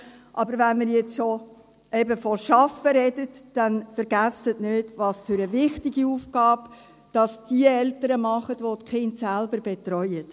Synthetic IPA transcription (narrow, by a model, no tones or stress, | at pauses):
ʔɑbəɾvænməɾjɛt͡sʃo | ʔɛbəfɔʃɑfəɾɛdətd̥ænfəɾɡæsətnøːtʋɑːsføɾəvɪχtɪɡiuːfɡ̥ɑːb | d̥ɑsd̥iəɛltəɾəmɑχətʋotχɪntsælbəɾbetɾœʏət